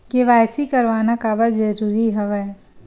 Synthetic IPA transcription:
keʋaːjsikɐɾʋaːnakaːbəɾd͡ʒɐɾuːɾiɦɛʋɛ

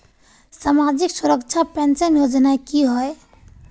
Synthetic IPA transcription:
samad͡ʒiksuɾəkt͡ʃʰapɛnsənjod͡ʒnakiɦɔe

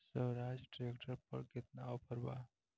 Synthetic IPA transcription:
səwɾad͡ʒʈɾekʈʰəɾpə̰ɾɡet̪naopəɾba̰

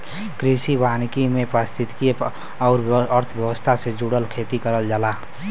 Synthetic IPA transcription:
kɾisibankimẽpəɾɪst̪ʰit̪ki | ɔʊɾəɾt̪ʰbjəwəst̪ʰased͡ʒuɽəlkʰet̪ikəɾəld͡ʒaːla

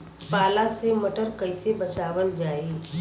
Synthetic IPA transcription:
paːlasemɐʈəɾkəɪsebɐt͡ʃaːʋəld͡ʒaːeː

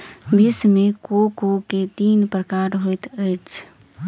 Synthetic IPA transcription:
bʱismekokoket̪iːnpɾəkaɾɦojt̪əjt͡ʃʰ

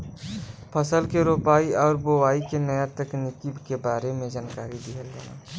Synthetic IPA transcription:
pʰəsəlkeɾoːpaːiɔːɾboʋaːikenəjat̪əknɪkibkebaːɾemẽd͡ʒaːnkaːɾid̪iɦəlɡəna̰ː

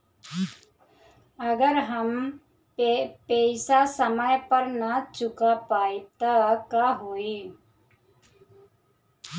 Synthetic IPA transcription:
əɡəɾɦəm | pejsasəməjpəɾnat͡ʃukapait̪əkaɦoi

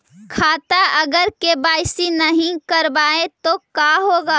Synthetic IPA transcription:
kʰaːt̪aɐɡəɾkebaːɪsinəɦĩkəɾbaːẽt̪okaɦoːɡaː

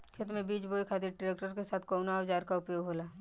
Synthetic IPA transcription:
kʰɪt̪mẽbiːt͡ʃboːjkʰaːd̪iʈɾeːkʈəɾkesaːt̪ʰkoːnaʋd͡ʒaːɾkaʊpjoːɡɦoːlaː

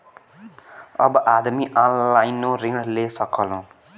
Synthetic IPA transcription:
ʌ̰bʌʔad̪miʔɔnlajnoriŋlesʌkʰʌlɦõ

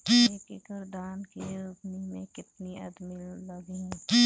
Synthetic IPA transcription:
ekikəɾd̪aːnkiɾupnimẽkɪt̪niɐd̪milɐɡiũ

